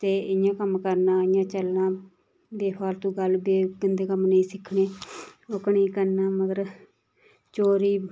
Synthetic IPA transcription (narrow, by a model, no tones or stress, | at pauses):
t̪eːɪjãːkəmːkəɾnaːɪjãːt͡ʃəlnaː | beːpʰaːɾt̪ũːɡəlbeːkənd̪eːkəmnəĩːsɪkʰɳeːʊkɳiːkəɾnaːməɡəɾ | t͡ʃoːɾiː